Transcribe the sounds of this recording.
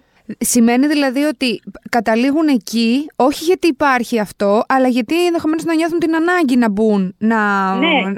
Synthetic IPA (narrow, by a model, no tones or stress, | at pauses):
sime̞niðilɐðio̞t̪ikɐt̪ɐliɣune̞cio̞çiʝɐt̪iːpɐɾçiɐft̪o̞ʔɐlɐʝɐt̪ienðexo̞me̞no̞znɐɲo̞θunt̪inɐnɐɲɟinɐbunːɐ